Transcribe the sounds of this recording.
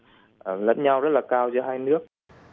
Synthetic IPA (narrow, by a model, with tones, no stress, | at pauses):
ʔə˨˩lə̰˧˥nɲa˧wzə˦˥t̚laː˨˩kaː˧wt͡ɕɨ˧ɦaː˧jnɨ˦˥ək̚